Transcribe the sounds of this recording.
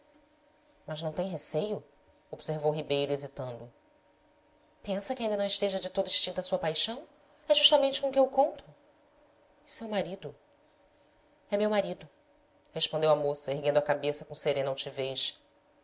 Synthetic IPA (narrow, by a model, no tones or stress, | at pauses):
mɐznɐ̃w̃t̪ẽj̃ɦesejʊ | obseɾvowɦibejɾʊezit̪ɐ̃nd̪ʊ | pẽsɐkɪaĩnd̪ɐnɐ̃w̃ɪʃt̪eʒɐd͡ʒɪt̪od̪ɐiʃt͡ʃĩnt̪ɐsuɐpajʃɐ̃w̃ | ɛʒuʃt̪amẽnt͡ʃɪkõkɪewkõnt̪ʊ | sewmaɾid̪ʊ | ɛmewmaɾid̪ʊ | heʃpõnd̪ewamosɐeɦɡẽnd̪ʊɐkabesɐkõseɾẽnɐawt͡ʃiveʃ